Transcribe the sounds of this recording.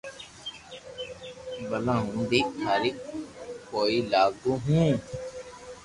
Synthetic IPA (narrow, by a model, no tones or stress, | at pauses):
bəlãɦũnd̪iaːɾikkoːilaːɡuɦũː